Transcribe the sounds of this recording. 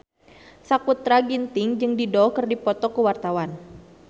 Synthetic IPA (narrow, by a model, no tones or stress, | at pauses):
sakut̪ːɾaɡint̪ɪŋd͡ʒɨŋdidɔkərdipɔt̪ɔkəwart̪awan